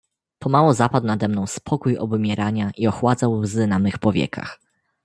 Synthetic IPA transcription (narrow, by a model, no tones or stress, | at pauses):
pʰɔmawɔzapad̪wnad̪ɛmnɔ̃w̃spʰɔkujɔ̰bumʲjɛɾaɲaʔiɔxwad̪zawwzɘnamɘxpɔvʲjɛ̰kʰa̰x